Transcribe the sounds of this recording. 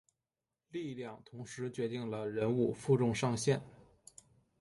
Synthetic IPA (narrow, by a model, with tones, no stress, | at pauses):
li˥˧ljɑ˥˩ŋt̪ʰʊ˧˥ŋʂɻ̩˧˥t͡ɕɥɛ˧˥t̪i˥˩ŋlə˩ɻə˧˥nu˥˧fu˥˧ʈ͡ʂʊ˥˧ŋʂɑ˥˧ŋɕjɛ˥˩n